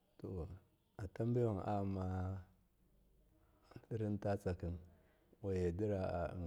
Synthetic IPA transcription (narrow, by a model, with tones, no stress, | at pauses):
to˨ | a˨ta˦m˦be˦wo˨ŋa˦˨ma˦˨ | ti˦ɾi˦n˦ta˦t͡sa˨ki˨ŋ | wo˨je˨di˦ɾa˨a̰˨